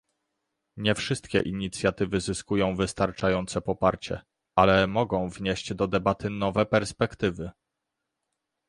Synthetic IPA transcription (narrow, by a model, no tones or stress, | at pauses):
ɲɛfʂɘst̪̚kʲɛ̰ʔiɲit̪sʲjat̪ɘvɘzɘskujɔ̃w̃vɘst̪aɾt͡ʂajɔnt̪sɛpɔpaɾt͡ɕɛ̰ | alɛmɔɡɔ̃w̃vɲeɕd͡ʑd̪ɔd̪ɛbat̪ɘnɔvɛpɛɾspɛkt̪ɘvɘ